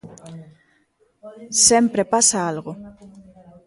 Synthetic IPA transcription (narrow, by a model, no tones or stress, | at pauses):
sempɾepasaalɣo